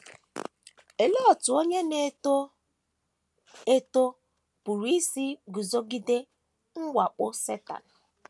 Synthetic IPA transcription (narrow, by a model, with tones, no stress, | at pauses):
e˨le˦ɔ˨tʊ˨o˦ɲe˦ne˦o˦ | e˦to˦ | pu˨ɾi˦si˦ɡu˨zo˦ɡi˦de˦ | ŋ̩˦ɡʷa˨k͡pʊ˦se˦ta̰˨n̩˨